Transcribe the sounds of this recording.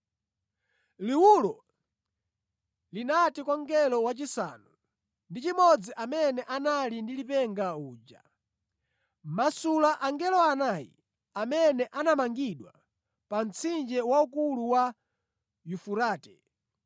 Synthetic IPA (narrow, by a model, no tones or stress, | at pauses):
liwulɔ | linatikɔŋɡɛlɔwat͡ʃisa̰nu | ndit͡ʃimɔd͡ziʔamɛnɛʔanalindilipɛŋɡauːd͡ʒa̰ | masulaʔaŋɡɛlɔanajḭ | amɛnɛʔanamaŋɡiɗwa | pan̩t͡sʰind͡ʒɛwaukuluwa | jufuɾaːtɛ